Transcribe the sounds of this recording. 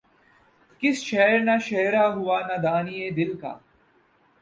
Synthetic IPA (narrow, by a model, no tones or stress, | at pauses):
kɪsʃɛɦɾnaʃɛɦɾaːɦuaːnɐd̪aːnied̪ɪlka̰ː